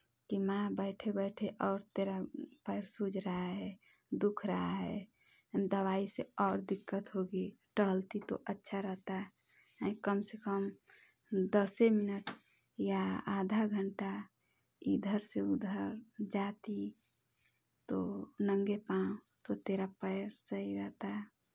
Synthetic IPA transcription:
kimãbəɪʈʰebəɪʈʰeʔɔːɾt̪eɾapəɾsud͡ʒɾəaɦɛ | d̪ukʰɾəɦaɦɛ | d̪əwaiseɔːɾd̪ikːət̪ɦoɡe | ʈəɦəlt̪it̪o̰ʔətːʃʰaɾəɦt̪aɦ | ĩkəmsekəm | d̪əseminəʈ | jaad̪ʱaɡʱəɳʈa | id̪ʱəɾseud̪ʱəɾd͡ʒat̪i | t̪onəŋɡepã | t̪ot̪eɾapəɪɾsəɦiɾəɦt̪aɦ

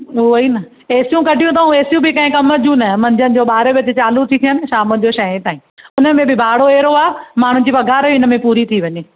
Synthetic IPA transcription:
uoinɐ | eːsijũkɐɖʱijũt̪̬ɐũeːsijũbɪkɐ̃ɦɪ̃kɐməd͡ʑũnɐmɐ̃ɲd͡ʑʱənɪ̆d͡ʑoːɓaːɾebɪɐt͡ɕɪt͡ɕaːlut̪ʰit̪ʰijənɪ̆ʃaːmənɪ̆d͡ʑoːʃɐẽt̪aːĩʊnəmẽbɪbʱaːɽoeːɾoaːmaːɳ̤ʊ̃nd͡ʑiːpɐɡʱaːɾʊnə̆mẽpuːɾit̪ʰiʋɐɲeː

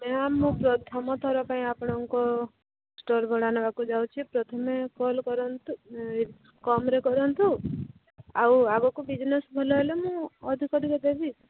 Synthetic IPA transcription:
meamũpɾɔt̪ʰɔmɔt̪ʰɔɾɔpaĩapɽ̃ɔŋkɔ | sʈɔɾbʱɔɽ̤anɔbakud͡ʒawt͡ʃʰipɾɔt̪ʰɔmekɔlkɔɾɔnt̪u | kɔmɾekɔɾɔnt̪u | awaɡɔkubid͡ʒnesbʱɔlɔɦelemũɔd̪ʱikɔɾikɔd̪ebi

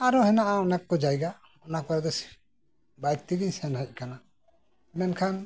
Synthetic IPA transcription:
aɾɔhɛnaʔaɔnakːɔd͡ʒajɡa | ɔnakaɾd̪ɛs | bajk̚t̪iɡiɲsɛnhəc̚ˀkana | mɛnkʰan

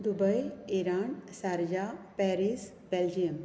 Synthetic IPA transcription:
d̪ubəjiɾaːɳsaɾd͡ʒapɛɾis | beld͡ʒijəm

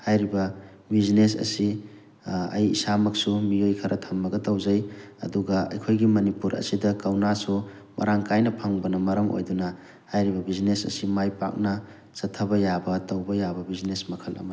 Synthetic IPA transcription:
hajɾibɐ | biznes̬ɐ̰si | ɐ̰jḭsamɐk̚sumijojkʰɐɾʔɐtʰɐmːɐɡɐtɐwzɐjɐ̰duɡɐɐ̰jkʰojɡimɐnipuɾɐ̰sidɐkɐwnasu | mʔɐ̰ɾaŋkajnɐpʰaŋbɐnɐmɐɾɐmo̰jdunɐ | hajɾibɐbiznesɐ̰simajpa̰k̚nɐ | sɐtʰːɐbɐjabɐtɐwbɐjabɐbiznesmɐkʰɐlɐ̰m

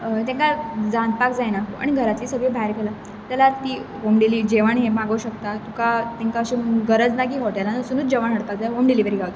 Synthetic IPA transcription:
t̪ɛ̃ŋkad͡zãnd̪̚pakd͡zajnaa̰ɽ̃iɡʱəɾat̪iːsəɡəbʱaɾkela | t̪jalat̪iːɦomɖiliːd͡ʑeʋaɳɦemaɡəuɕəkt̪at̪ukat̪ɛ̃ŋkaəɕĩmɡəɾəd͡znak̬ĩːʋoʈajlanəsunuːt͡sd͡ʑeʋaɳɦəɽpakd͡zajɦomɖiliʋəɾiːɡʱawt̪

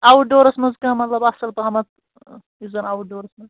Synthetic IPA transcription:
awuɖoːɾɐsmɐzkɐ̃mɐt̪lɐbɐsɐlp̪ɐɦɐmɐt̪ | izɐnawuɖoːɾɐsmɐz

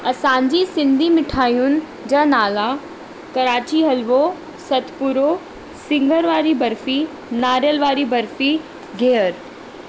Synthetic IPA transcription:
ɐsãːɲd͡ʑisɪ̃nd̪ʱimɪʈʰaːijʊnɪ̆ | d͡ʑaːnaːla | kɐɾaːt͡ɕiɦɐlʋo | sɐt̪ʰpʊɾo | sɪ̃ŋɡʱəɾʋaːɾibɐɾfi | naːɾjəlʋaːɾibɐɾfi | ɡʱeːəɾ

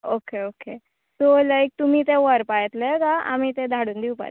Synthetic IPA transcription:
okeoke | solajk̚t̪um̤iːt̪̬eʋəɾpajɛt̪lekaa̰mit̪ed̪ʱaɽuːnd̪iupa̰

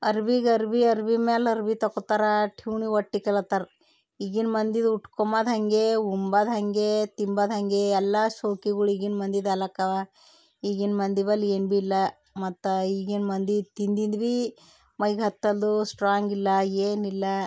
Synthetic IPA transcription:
ɐɾʋiɡɐɾʋiɐɾʋimeːlɐɾʋit̪ɐkɔt̪aɾɐʈʰiːɳiʋɐʈːikɐlɐt̪ɐɾ | iɡinmɐnd̪id̪uʈkɔmad̪ɦɐŋɡeumbɐd̪ɐŋɡet̪imbɐd̪ɦɐŋɡeɛlːaʃoːkiɡɐɭiɡinmɐnd̪id̪ɐlɐkɐʋ | iːɡinmɐnd̪iʋɐleːnbilːɐ | mɐt̪ːiɡinmɐnd̪it̪ind̪ind̪ʋi | mɐjɡɦɐt̪ːɐld̪usʈɾaːŋɡilːɐjeːnilːɐ

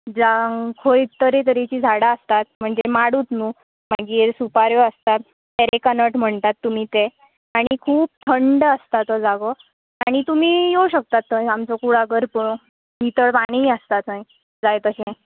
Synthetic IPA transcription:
d͡zakʰojt̪əɾet̪̬əɾet͡ɕiːd͡zʱaɽaəst̪at̪̚m̤əɳd͡zemaɽuːt̪nuː | maɡiːɾsupaɾjoəst̪at̪ː | eɾekanəʈm̤əɳt̪at̪ːum̤it̪e | aɽ̃ikʰuːp̚t̪ʰəɳɖəst̪at̪əd͡zaɡɔ | aɽ̃it̪um̤iːjoɕək̚t̪at̪ːəjamt͡sɔkuɽaɡəɾpəɭõ | mit̪əɭpaɽ̃iːəst̪at̪naj | d͡zajt̪əsẽ

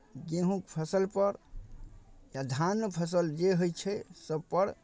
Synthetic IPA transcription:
ɡeɦũkpʰəsəlpəɾ | jad̪ʱanːəpʰəs̬əld͡ʒeɦojt͡ʃʰɛsəb̚pəɾ

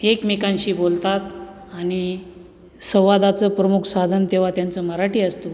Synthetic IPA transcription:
ekmikãnɕiːbolt̪at̪ | aɽ̃i | sə̃w̃ʋad̪at͡səːpɾəmukʰsad̪ʱənt̪eʋ̤at̪jant͡səməɾaʈiːəst̪o

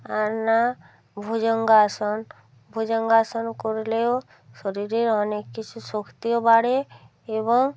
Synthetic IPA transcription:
aɾna | bʱud͡ʒɔŋɡasɔn | bʱud͡ʒɔŋɡasɔnkɔɾileo | ʃɔɾiɾeɾɔnekːit͡ʃʰusɔkʰt̪ijobaɽe | ebɔŋ

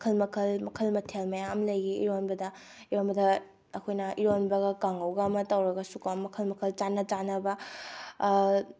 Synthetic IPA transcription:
mɐkʰɐlmɐkʰɐlmɐkʰɐlmɐtʰelmɐjaɐmlɐjɡiḭɾonbɐdɐ | iɾonbɐdɐ | ɐkʰojnɐʔiɾonbɐɡɐkaŋɐwɡɐːmɐtawɾɐɡɐsukɐmɐkʰɐlmɐkʰɐlt͡ʃanɐt͡ʃanɐbɐ

